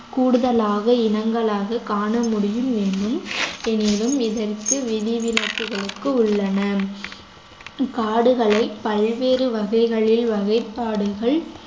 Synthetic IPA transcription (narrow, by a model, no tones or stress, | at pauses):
kuːɽɯðɐlaːɣɐɪnɐŋɡɐɭaːɣɐkaːɳɐmʊɽɪjɯmenɖɯmɛnɪɾɯmɪðɐrkɯʋɪðɪʋɪlɐkːɯɣɐɭɯkːɯʊɭːɐnɐ | kaːɽɯɣɐɭɐɪpːɐlʋeːɾɯʋɐɣɐɪɣɐɭɪlʋɐɣɐɪpːaːɽɯɣɐɭ